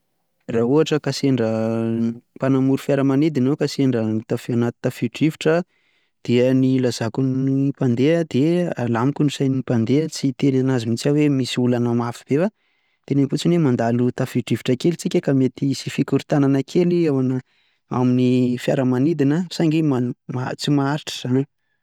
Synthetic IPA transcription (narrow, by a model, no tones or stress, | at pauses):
rauaʈ͡ʂəkaseɳɖ͡ʐə | panamuɾufjaɾəmanid̪inokaseɳɖ͡ʐənit̪afianat̪i̥t̪afiɖ͡ʐiviʈ͡ʂə | d̪̥iənilaz̥akunipand̪eəd̪ea̰lamikʲunusajnipand̪eət͡sit̪elanazimit͡sawemisiulanəmafib̥ewa | t̪eneŋfut͡sinemand̪alut̪afiɖ͡ʐiviʈ͡ʂakelit͡sikʲəkamet̪isifikuɾit̪ananəkʰeliawanə | a̰minifjaɾəmanid̪inasaŋɡimamat͡simaaɾiʈ͡ʂə̥z̥an